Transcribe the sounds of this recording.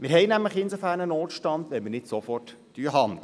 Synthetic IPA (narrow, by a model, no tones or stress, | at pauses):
mɪɾɦɛɪnæmləχɪnsofæːɾnənoːtʃtɑnd̪ʋɛlmənɪtsofɔrt | d̥yːəɦɑn